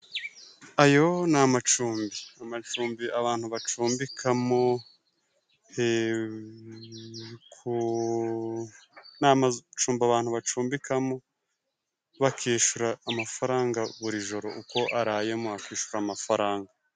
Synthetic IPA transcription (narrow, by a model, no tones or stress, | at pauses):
ajo̞namat͡ʃuːmbiamat͡ʃuːmbiaβaːn̥huβat͡ʃuːmbikʰamo | he | kʰu | namat͡ʃuːmbiaβaːn̥huβat͡ʃuːmbikʰamo | βakʰiːʃuɾaːmafaɾaːŋɡaβuɾiʒo̞ɾo̞̰ʔuko̞ʔaɾaːje̞moakiːʃuɾaːmafaɾaːŋɡa